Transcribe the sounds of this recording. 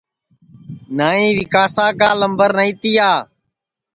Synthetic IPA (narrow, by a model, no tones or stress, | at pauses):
naːĩːʋɪkaːsaːkaːləmbəɾnaĩːt̪iːaː